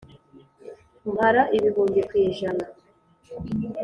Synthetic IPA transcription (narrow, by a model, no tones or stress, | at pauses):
mbaɾaʔiβiβuːɲɟekwiːʒana